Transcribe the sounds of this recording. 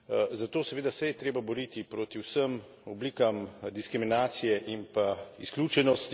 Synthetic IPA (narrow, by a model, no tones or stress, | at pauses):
zat̪oːsɛʋeːd̪asɛjɛt̪ɾeːbabɔɾiːt̪ipɾoːt̪iwsəm | ɔbliːkamd̪iskɾiminaːt̪sijɛʔimpaisklʲjuːt͡ʃɛnɔst̪